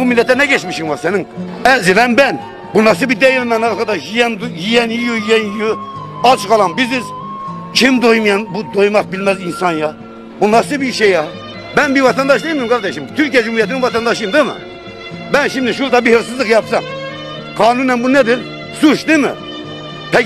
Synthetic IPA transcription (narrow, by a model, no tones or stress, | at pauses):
bumilːɛt̪ːɛnɛɡɛt͡ʃmiʃiŋvɑsɛniŋ | ɛzilɛnbɛn | bunːɑs̬ɨbid̪ɛjiɾmɛnɑɾkɑd̪ɑʃjijɛnd̪jijɛnjijujijɛnjiju | ɑt͡ʃʰqɑlˠɑnbizɪz | t͡ʃʰimd̪ojmjɑnbud̪ojmɑq̚bilmɛzinsɑnjɑ | bunɑsɨbiʃɛjɑ | bɛnbivɑt̪ʰɑnd̪ɑʃd̪ˠɨjimd̪ɨmɡɑɾd̪ɛʃimt̪ʰyɾkʰijɛd͡ʒumhuɾjɛt̪ʰinɪnvɑt̪ʰɑnd̪ɑʃɯjmd̪ɨmɨ̰ | bɛnʃimd̪iʃuɾt̪ɑbiheɾsɨzlˠɨkjɑpsɑm | qʰɑːnunɛmbunɛd̪ɪɾ | suʃd̪ɨmɪ̰ | pʰɛ